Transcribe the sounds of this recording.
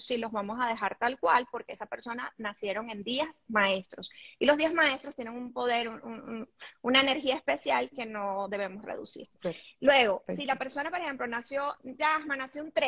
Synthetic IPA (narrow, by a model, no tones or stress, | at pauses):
silo̞zβamo̞sað̞e̞xaɾt̪alkwalpo̞ɾkeesape̞ɾso̞nanasje̞ɾo̞ŋe̞nd̪iasmae̞st̪ɾo̞silozðiezmae̞st̪ɾo̞st̪jene̞ŋumpo̞ðe̞ɾuu | unaene̞ɾxiaespe̞sjalke̞no̞ðe̞β̞e̞mo̞srḛðṵsḭɾlwe̞ɣo̞silape̞ɾso̞napoexe̞mplo̞nasjo̞d͡ʒaɦmanasjount̪ɾe